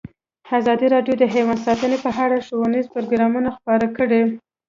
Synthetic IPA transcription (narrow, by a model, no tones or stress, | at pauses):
azɑd̪iɾɑɖjod̪əɦewɑnd̪sɑt̪ənepəɦaɽaʃowənizpʊɾoɡɾɑmunaxpɑɾakəɽe